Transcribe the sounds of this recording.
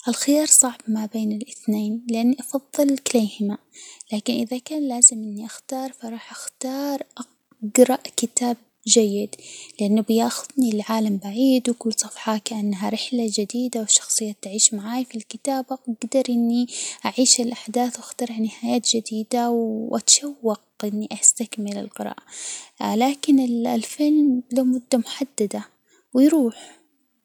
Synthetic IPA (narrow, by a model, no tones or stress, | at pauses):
ʔalxɪjɑːɾˤsˤɑʕbmabeːnɪlʔɪθneːnlɪʔanːiʔɑfɑðˤːɨlkɪleːhɪma | laːkɪnʔɪðakaːnlaːzɪmʔɪnːiʔaxt̪ɑːɾˤfɑɾˤɑːħʔaxt̪ɑːɾˤʔa | ɡɾɑʔkɪt̪aːb̚ | d͡ʒajːɪd̪lɪʔanːubɪjaːxʊðnilʕaːlambaʕiːd̪wɪkʊlːsˤɑfħɑkaʔanːɦaɾɪħlad͡ʒɪd̪iːd̪awɪʃɑ̥xsˤɨjːat̪aʕiːʃmaʕaːjfilkɪt̪aːbaʔaɡd̪ɑɾˤʔɪnːiʔaʕiːʃalʔaħd̪aːθwaxt̪ɑɾˤɪʕnɪhaːjaːt̪d͡ʒɪd̪iːd̪awʔat̪ʃawːɑq̚ʔɪnːiʔast̪akmɪlɪ̰lqɨɾɑ̰ːʔalaːkɪnɪllfɪlmlomʊd̪ːamʊħad̪ːad̪a | wɪjɾuːħ